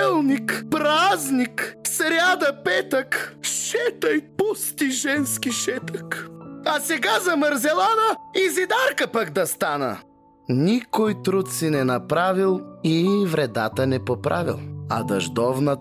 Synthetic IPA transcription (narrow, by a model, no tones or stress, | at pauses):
ɛlˠnikpɾazniksɾʲjad̪ɐpɛt̪əkʃɛt̪əjpust̪iʒɛnskiʃɛt̪əkɐsɛɡazɐmɐɾzɛlˠanəizid̪aɾkəpakd̪ɐst̪anə̰ | nikojt̪ɾut̪sinɛnɐpɾavilˠivɾɛd̪a̰t̪ənɛpopɾʔa̰vḭlˠɐ̰d̪ɐʒd̪ɔvnə